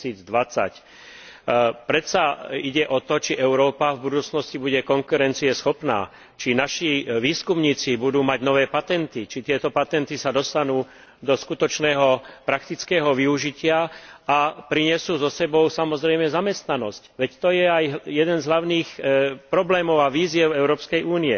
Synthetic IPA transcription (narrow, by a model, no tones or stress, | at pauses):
iːd͡zd̪ʋat͡sa̰c | pɾɛt̪saiɟɛʔɔt̪ɔt͡ʃiʔɛʊɾɔːpavbud̪uːt͡snɔscibuɟɛkɔŋkuɾɛnt͡siɛsxɔpna̰ː | t͡ʃinaʃiʋiːskumɲiːt͡sibud̪uːmaɟnɔʋɛːpat̪ɛnt̪it͡ʃit̪ɪɛt̪ɔpat̪ɛnt̪isad̪ɔst̪anuː | d̪ɔskut̪ɔt͡ʃnɛːɦɔpɾakt̪it͡skɛːɦɔʋiuʒicɪaapɾiɲɛsuːzɔsɛbɔʊsamɔzɾɛjmɛzamɛst̪nanɔ̰scʋɛct̪ɔjɛajɦjɛd̪ɛnzɦlaʊniːxpɾɔblɛːmɔʊaʋiːzɪjɛʊɛʊɾɔːpskɛjʔuːniɛ̰